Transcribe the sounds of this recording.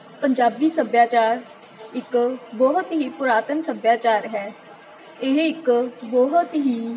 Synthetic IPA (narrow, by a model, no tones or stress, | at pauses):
pəɲd͡ʒaːbiːsəbjaːt͡ʃaːɾ | ɪkbɔːɦʊt̪ɦiːpʊɾaːt̪ənsəbjaːt͡ʃaːɾɦɛː | ɪɦɪkbɔːɦʊt̪ɦiː